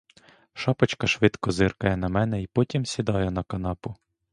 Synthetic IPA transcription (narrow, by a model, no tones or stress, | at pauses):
ʃɑpɐt͡ʃkɐʃʋɪd̪kɔzɪrkɐjɛnɐmɛnɛipɔtʲimsʲid̪ɑjɛnɐkɐnɑpʊ